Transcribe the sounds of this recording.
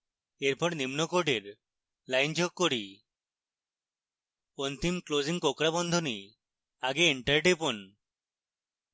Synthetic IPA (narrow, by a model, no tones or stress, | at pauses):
eɾpɔɽnimnɔkoɖeɾ | lajnd͡ʒɔk̚kːoɽi | ɔnt̪imkloziŋkokɾabɔnd̪ʱɔni | aɡeːɳʈaɾʈepɔn